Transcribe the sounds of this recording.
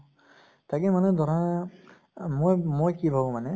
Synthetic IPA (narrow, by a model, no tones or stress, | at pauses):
takimanɛdʱɔɾa | mojmojkibʱabũmanɛ